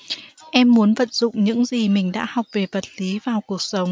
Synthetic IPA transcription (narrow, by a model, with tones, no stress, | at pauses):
ʔɛ˧mːu˨˦ənvə̰˧˨t̚zʊ̰˧˨ŋ͡mɲɨ̰˧˥ŋzi˨˩mï˨˩ŋ̟ɗa̰ː˧˥hɔ˨˩wk͡p̚ve˨˩və˨˩t̚li˨˦vaː˨˩wku˨˩ək̚sə˨˦wŋ͡m